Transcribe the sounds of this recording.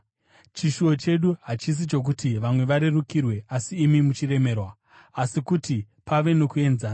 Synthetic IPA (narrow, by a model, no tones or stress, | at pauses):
t͡ʃiʃuo̞t͡ʃe̞ɗuɦat͡ʃis̬it͡ʃo̞k̬utiʋamwe̞ʋaɾe̞rukirwe̞asiːmimut͡ʃire̞me̞ːrwa | asikuti | paʋe̞no̞kue̞nzaːa